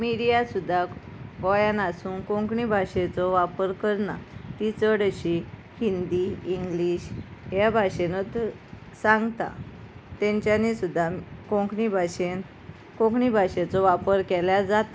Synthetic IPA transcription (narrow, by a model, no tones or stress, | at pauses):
miɾijasud̪ʱːa | ɡɔjanasuːnkõŋkɳibʱaɕet͡sɔʋapəɾkəɾna̰t̪it͡səɽəɕi | hind̪iiŋɡliɕɦjabʱaɕenət̪ | sãŋɡt̪a̰ | t̪ɛ̃ɲt͡ɕjanisud̪ʱːakõŋknibʱaɕen | kõkɳibʱaɕet͡sɔʋapəɾkɛljad͡zat̪